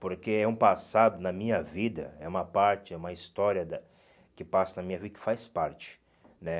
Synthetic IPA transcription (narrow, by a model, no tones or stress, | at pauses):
poɾkeɛũpasad̪ʊnɐmĩɲɐvid̪ɐ̰ɛũmɐpaɾt͡ʃɪɛũmɐist̪ɔɾiɐd̪ɐ | kɪpasɐnɐmĩɲɐvid̪ɐkɪ̥fajspaɾt͡ʃɪ̥ | nɛ